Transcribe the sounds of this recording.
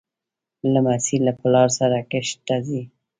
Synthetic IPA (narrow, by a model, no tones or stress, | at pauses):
lamasilːapəlɑɾsaɾakɪʃt̪azi